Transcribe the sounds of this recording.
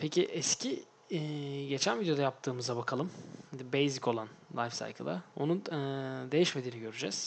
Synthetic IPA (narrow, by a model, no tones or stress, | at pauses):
pʰecʰiʔɛscʰi | ɟe̞t͡ʃʰænvid̪ejo̞d̪ajap̚t̪ʰɯːmɯzabakʰalˠɯmhd̪bejzico̞lˠanlˠa̰jfsa̰jkʰɯ̰lˠa̰o̞̰nund̪e̞jiʃme̞d̪iːniɟø̞ɾyd͡ʒɛz̥